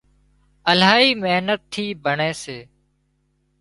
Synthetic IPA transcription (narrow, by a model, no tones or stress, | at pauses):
əlaːiːmeɦnət̪ʰːiːbʱəɳeːseː